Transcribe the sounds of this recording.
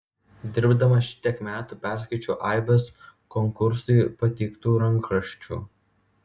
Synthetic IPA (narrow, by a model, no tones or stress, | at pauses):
d̪ʲɪɾbd̪ɐmɐʃʲɪ̥t̪ʲiɛkmʲæːt̪uːpʲæˑɾʲskɐɪt͡ʃʲuːʔɐˑɪbʲoskɔŋkʊɾsʊɪpɐt̪ʲɛɪkt̪uːɾɐŋkɾɐʃʲt͡ʃʲṵː